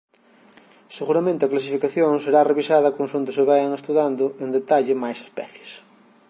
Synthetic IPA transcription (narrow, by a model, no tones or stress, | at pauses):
seɣuɾamẽnt̪ɪɐklas̬ifikaθjoŋseɾareβisaðɐkõnsõnt̪ʊseβajaŋest̪uðand̪ʊend̪et̪aʎɪmajse̥spɛ̰θje̥s